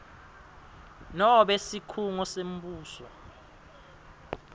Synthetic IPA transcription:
nɔɓesikʰuŋɔsem̩ɓuːsɔ̰

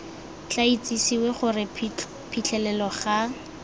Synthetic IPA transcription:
t͡ɬait͡sʼisiweχʊrɪ | pʰit͡ɬʰɛlɛlɔχa

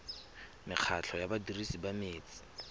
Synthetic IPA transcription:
mɪq͡χʰat͡ɬʰɔjabadirisibameːt͡sʼi̥

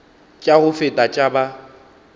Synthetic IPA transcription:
t͡ʃʼaɣʊfɪtʼat͡ʃʼaba

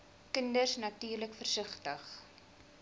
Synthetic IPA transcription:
kəndərsnɐtyːrləkfərsəχtəχ

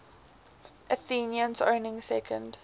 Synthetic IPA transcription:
ʔəθĩːnjə̃nzõ̰ʊnɪ̃ŋsɛkʰə̃nd

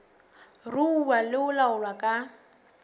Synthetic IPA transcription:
rʊuwalɪʊlaʊlwakʼa

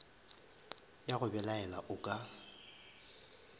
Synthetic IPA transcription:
jaɣʊbɛlaɛlaʔʊkʼa

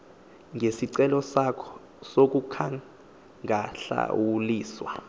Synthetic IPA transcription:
ŋʱesiǀɛlɔsakʰɔ̥ | sok̬ʼukʰaŋ | ŋaɬa̰wuliːswa

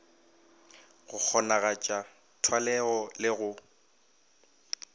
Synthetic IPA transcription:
ɣʊk͡xʰɔnaɣat͡ʃʼa | tʰwalɛɣɔlɪɣʊ

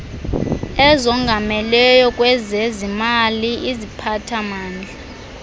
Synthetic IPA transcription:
ɛzɔŋɡʱamɛlɛjɔkʼwɛzɛzimaliizipʰatʰamaːnd͡ɮʱa

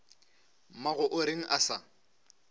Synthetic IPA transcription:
maɣʊʔʊɾɪŋ̩ʔasa

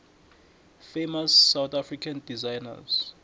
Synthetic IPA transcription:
fejmasːawt̪afrikʰandizajna̰z̥

